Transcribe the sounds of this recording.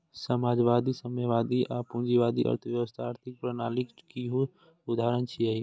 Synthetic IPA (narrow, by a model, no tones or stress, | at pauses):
səmaːd͡ʒʋaːd̪isəməʋaːd̪iʔaːpund͡ʒiʋaːd̪iʔə̰ɾt̪ʰəʋjəʋəst̪ʰaaːɾt̪ʰɪk̚pɾənaːlɪkkiɦu | ʊd̪aːɾənt͡ʃʰiəi